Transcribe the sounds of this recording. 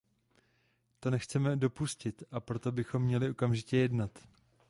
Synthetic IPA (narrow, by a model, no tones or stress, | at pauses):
t̪o̞nɛxt͡sɛmɛdo̞puscɪt̪ʔapɾo̞t̪o̞bɪxo̞mːɲɛlɪʔo̞kamʒɪcɛjɛdnat̪